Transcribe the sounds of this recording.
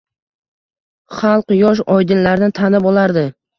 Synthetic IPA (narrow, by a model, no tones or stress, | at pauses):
χɑlˠqjɒʃ̬ɒjd̪ɪnlaɾnɪt̪ʰanɪbɒlˠaɾd̪ɪ